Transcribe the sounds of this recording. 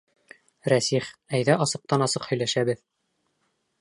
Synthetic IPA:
ɾæsiχæjðæʔɑsɤ̆q̚t̪ɑnɑsɤqhɵ̆jlæʃæbɘð

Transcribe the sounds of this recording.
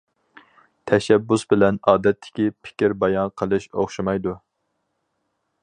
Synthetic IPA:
t̪ʰɛʃɛbːusbɪlɛnɑːd̪ɛt̪ʰːɪ̥kʲipʰɪ̥kʲiɾbɑjɑnqʰəlˠɨʃoχʃimɑjd̪u

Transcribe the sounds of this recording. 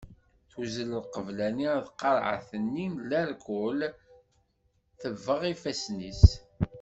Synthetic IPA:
θuzələlqəvlæniðqːɑɾˤʕa̰θənːinlæɾkʊl | θəvːəʁifæsnis

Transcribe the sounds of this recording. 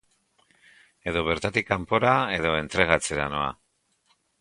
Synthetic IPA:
e̞ðo̞β̞e̞ɾt̪at̪ikampo̞ɾae̞ðo̞e̞nt̪ɾe̞ɣ̞at͡se̞ɾano̞a̰

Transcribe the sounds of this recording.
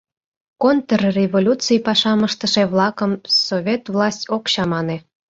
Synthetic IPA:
kont̪ərrʲevolʲut͡sijpɑʃɑməʃt̪əʃeβlˠɑkəmsovʲet̪vlɑsʲtʲokɕɑmɑne

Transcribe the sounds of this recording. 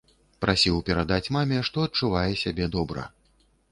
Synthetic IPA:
pɾasʲiwpʲɛɾad̪at͡sʲmamʲɛʂt̪ɔɐt̪̚t͡ʂuvajɛsʲabʲɛd̪ɔbɾɐ̰

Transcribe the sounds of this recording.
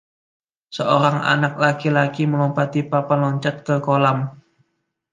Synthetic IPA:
səoɾaŋa̰nak̚lakilakiməlɔmpat̪ipapanlɔɲt͡ʃat̪̚kəkolam

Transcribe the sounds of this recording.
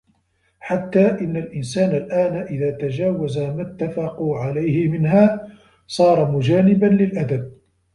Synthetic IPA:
ħat̪ːaːʔɪnːalʔɪnsaːnalʔaːnaʔɪðaːt̪ad͡ʒaːwazamat̪ːafɑquʕalajhɪmɪnɦaː | sˤɑːɾˤɑmʊd͡ʒaːnɪbanlɪlʔad̪ab̚

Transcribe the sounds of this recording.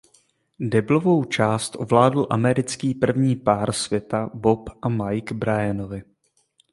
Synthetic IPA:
dɛblovo̞wt͡ʃaːst̪ʔovlaːdl̩ʔamɛɾɪt͡skiːpr̩vɲiːpaːɾsvjɛt̪abo̞pʔamajɡbɾajɛnovɪ

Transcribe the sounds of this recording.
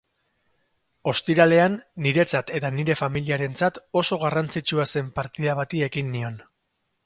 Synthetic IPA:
o̞st̪iɾale̞anːiɾe̞t͡sat̪e̞t̪aniɾe̞familiaɾe̞nt͡sat̪o̞so̞ɣ̞arant͡sit͡ʃuase̞mpaɾt̪iðaβat̪ie̞ɣinːio̞n

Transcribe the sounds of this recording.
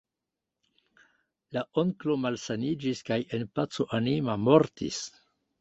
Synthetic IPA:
laʔoŋklo̞malsanid͡ʒiskaje̞npat͡so̞ʔanimamo̞ɾtḭs

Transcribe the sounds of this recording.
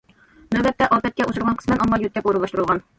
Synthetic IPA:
nɵbæt̪ːæʔɒpæt̪̚kæʔusɤ̆ɾˠʁɑɴqɤ̥̆smænɒmːɑjut̪k̪ːæpuɾɤ̆lˠɑʃt̪ɤɾɤlˠʁɑn

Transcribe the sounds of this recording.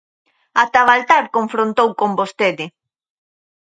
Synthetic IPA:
at̪aβalt̪aɾkoɱfɾont̪owkombost̪eðɪ

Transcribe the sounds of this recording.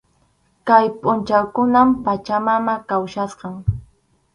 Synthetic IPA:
kajpʼʊnt͡ʃawkʊnampat͡ʃamamakawʃasqɑŋ

